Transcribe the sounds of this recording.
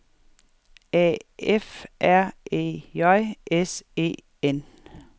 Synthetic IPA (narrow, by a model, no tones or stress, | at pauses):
ɛ̰ːefʔæɐ̰ʔḛːjɒɪʔese̝̰ː | en